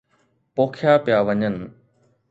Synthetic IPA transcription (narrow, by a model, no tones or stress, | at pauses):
poːkʰjaːpɪjaːʋɐɲən